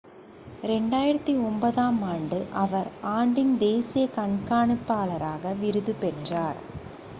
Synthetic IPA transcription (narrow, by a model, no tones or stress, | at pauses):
ɾɛɳɖaːjɪɾɐt̪ːiɔmbɐðaːmaːɳɖɯʔɐʋɐɾaːɳɖɪnd̪eːsɪjɐkɐɳkaːɳɯpːaːɭɐɾaːɣɐʋɪɾɯðɯpɛʈraːɾ